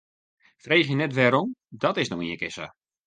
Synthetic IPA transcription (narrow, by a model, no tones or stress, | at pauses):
frejxjənɛtʋɛɾomdɔtɪsnowiəkɪsə̰